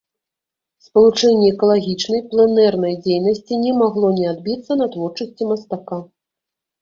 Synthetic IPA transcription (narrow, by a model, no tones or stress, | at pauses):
spɐlˠut͡ʂɛnʲːɛːkɐlˠaɣʲit͡ʂnɐjplˠɛnɛrnɐjd͡zʲejnɐsʲt͡sʲinʲɛmaɣlˠɔnʲɛad̪̚bʲit̪sːɐnat̪vɔrt͡ʂɐsʲt͡sʲimɐst̪aka